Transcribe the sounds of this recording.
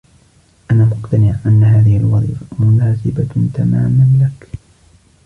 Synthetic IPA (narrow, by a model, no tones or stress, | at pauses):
ʔanaːmʊqt̪anɪʕʔanːaɦaːðɪhɪlwɑðˤḭːfamʊnaːsɪbat̪ama̰ːmanlak